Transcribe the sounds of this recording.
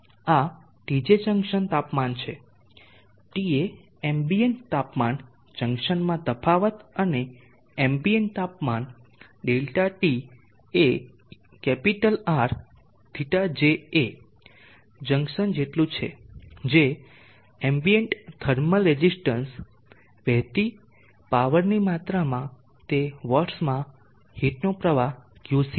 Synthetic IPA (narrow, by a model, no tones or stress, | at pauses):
a | ʈid͡ʒesə̃ŋkʃənt̪apmant͡ʃʰe | ʈie | embiəɳt̪apman | t͡ʃə̃ŋkʃənmãd̪əpʰaʋət̪əne | embieɳʈ̚t̪apman | ɖelʈaʈi | e | kɛpiʈəlaɾ | d̪̥ʱiʈad͡ʒee | d͡ʒəŋɡʃənd͡ʒeʈlũt͡ʃʰḛd͡ʒe | embiəɳʈt̪ʰəɾməlɾed͡ʒisʈəns | ʋɛɦt̪i | paʋəɾnimat̪ɾamã | t̪eʋəɾsmã | hiʈnopɾəʋakjusi